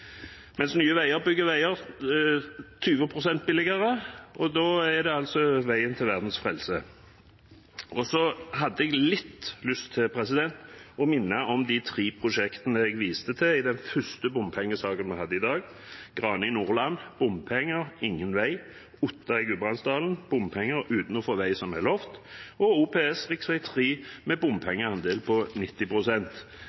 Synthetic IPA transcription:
mɛnsnyːəʋæɪəʁbʏɡːəʋæɪəʁ | t̪ʰyːʋəpʰʁʊsɛnt̪̚bɪlɪɡəʁəʔɔd̪oːæʁd̪ɛɑlsɔʋæɪənt̪ʰɪlʋæʁd̪n̩sfʁɛlsə | ʔɔsɔɦɑd̪ːəɛɡlɪt̪ːlʉst̪ʰːɪlpʰʁɛs̬ɪd̪ɛnt̪ɔmɪnːəʔɔmd̪ɪt̪ʰʁiːpʰʁʊʃɛkt̪ənəɛɡʋiːst̪ət̪ʰɪɪd̪ɛnfœst̪əbʊmpʰɛŋːəsɑːkənmɛhɑd̪ːəɪd̪ɑːɡ | ɡ̥ʁɑːnəɪnuːʁlɑnb̥ʊmpʰɛŋːəʁɪŋːənʋæɪ | ʊt̪ːɑɪɡʉbʁɑnsd̪ɑːln̩b̥ʊmpʰɛŋːəɾʉːt̪n̩ɔfoːʋæɪsɔmælɔft̪ɔuːpʰeːɛsʁɪksʋæɪt̪ʰʁiːmɛbʊmpʰɛŋːəɑnd̪eːlpʰɔnɪt̪ːɪpʁʊsɛnt̪

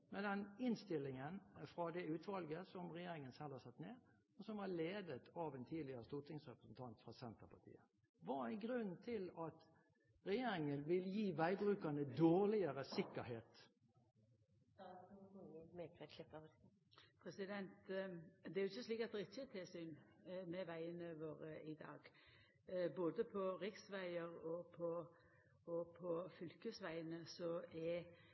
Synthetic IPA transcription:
mɛd̪ɛnɪnst̪ɪlːɪŋənfɾɑd̪ɛʉːt̪ʋɑlɡəsɔmʁɛjeːɾɪŋənsɛlhɑsɑt̪ːneːʁ | ɔsɔmʋɑɭeːd̪ət̪ʰɑʋɛeːnt̪ʰiːd̪lɪəʁəst̪uːt̪ʰɪŋsʁɛpɾəsn̩t̪ʰɑnt̪fʁɑsɛnt̪əpʰɑt̪ʰḭːə | ʋɑɾæɪnɡɾʉnːt̪ʰɪlɑt̪ | ʁɛjeːɾɪŋənʋɪljiːʋæɪbɾʁʉːkɑnəd̪oːʁlɪəʁəsɪkːəɾheːt̪ | əmekʁelɪpə | pʰɾɛsɪd̪ɛnt̪d̪ɛæɾʊɪçːəsliːkɛt̪ɾɪt͡ʃət̪ʰɪlsyːnmɛʋæɪənəʋoːɾəʔɪd̪ɑ̰ːɡ̥ | boːd̪əpʰɔʁɪksʋæɪəɾɔpʰɔ | ɔpʰɔfʏlkəsʋæɪənəsɔɛ

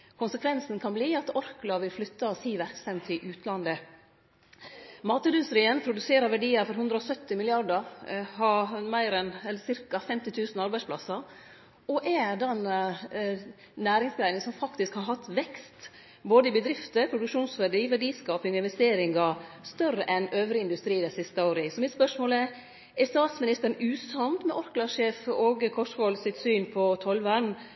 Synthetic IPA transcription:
kʰʊnsəkʰʋɛnsnkʰɑnbliːɑt̪ɔɾklɑʋɪlflʏt̪ːɑɔsiːʋæɾksɛmt̪ʰɪlʔʉːt̪ʰlɑnd̪ə | mɑːt̪əd̪ʉnsɾiːənpʰɾʊd̪ʉseːɾəʋæɖiːəɾfɔɾɦʉnd̪ɾəɔsœt̪ːɪmɪlɪɑɾɖəɾhɑmæɪɾɛnɛlːəsɪɾkɑfɛmt̪ɪt̪ʰʉːsn̩ɑɾbæɪspʰlɑ̰sɑɾ | ɔʔɛd̪ɛn | næːɾɪŋsɡɾæɪnɪŋəsɔmfɑkt̪ɪskhɑɾɦɑt̪ːʋɛkst̪ | boːd̪əɪbəd̪ɾɪft̪əpʰɾʊd̪ʉkʂuːnsʋæɖiːʋæɖiːskɑːpɪŋɔɪnʋɛst̪eːɾɪŋɑst̪œrːəʔɛnøːʋɾɪɪnd̪ʉst̪ɾiːd̪æsɪst̪əoːɾəsɔmɪt̪spœʂmoːlə | ɛɾst̪ɑːt̪smɪnɪst̪əɾəɳʉːsɑnt̪mɛʔɔɾklɑʂeːfoɡkʰɔʂhɔlsɪt̪syːnpʰɔt̪ʰɔlʋən

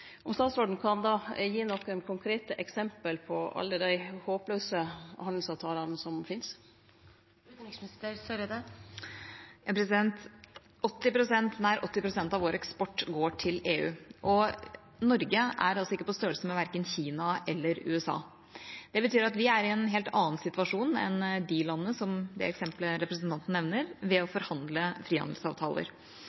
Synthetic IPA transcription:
ɔmst̪ɑːt̪soːɖn̩kʰɑnd̪ɑːjiːnɔkːɛnkʰʊŋkʰɾeːt̪əʔɛksɛmpəlpʰɔʔɑ̰lːəd̪æɪhoːpløːsəhɑnl̩sɑːʋt̪ʰɑːlɑnsɔmfɪns | t̪ɪksmɪnɪst̪əɾsœɾəd̪ɛ | jɑːpʰɾɛsɪd̪ɛnt̪ | ɔt̪ːɪpɾʊsɛnt̪næɪɾʔɔt̪ːɪpɾʊsɛnt̪ɑʋoːɾɛkspɔʈːɡoːʈʰɪleːʉ̰ːʔɔ | nɔɾɡəæ̰ɾɑlsɔɪkːəpɔst̪øːəlsəmɛʋæɾkənçiːnɑʔɛlːəɾʉ̰ːɛsɑ̰ː | d̪̥ɛbət̪ʰyːɾɑt̪ʋɪæɾɪɛnɦeːlt̪ɑːnsɪt̪ʋɑʂuːnɛ̰nd̪ɪlɑnːəsɔmd̪ɛ̰ɛksɛmpləɾɛpɾəsnt̪ʰɑnt̪n̩ɛʋnəɾʋɛɔfɔɾhɑnd̪ləfɾiːhɑ̰nd̪l̩sɑ̰ːʋt̪ʰɑ̰ːlə̰ɾ

